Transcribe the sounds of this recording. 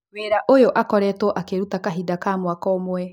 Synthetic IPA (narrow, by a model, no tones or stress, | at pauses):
weɾaʔojoʔakɔɾɛtwɔʔakeɾutakaɦidakamwakɔmwɛ